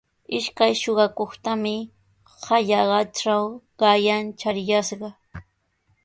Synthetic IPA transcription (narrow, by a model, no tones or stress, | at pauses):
ɪʃkajʃoɢɑkoχt̪amɪ | haʎɑɢɑt͡ʃawɢɑjant͡ʃaɾjaʃɢɑ